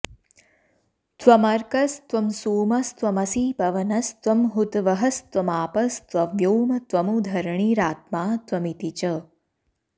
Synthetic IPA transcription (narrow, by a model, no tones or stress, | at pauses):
t̪ʋɐmɐɾkɐst̪ʋɐmsuːmɐst̪ʋɐmɐsipɐʋɐnɐst̪ʋɐmɦut̪ʋɐɦɐst̪ʋɐmaːpɐst̪ʋɐʋjoːmɐt̪ʋɐmud̪ʱɐɾɳ̃iɾaːt̪̚maːt̪ʋɐmit̪it͡ʃɐ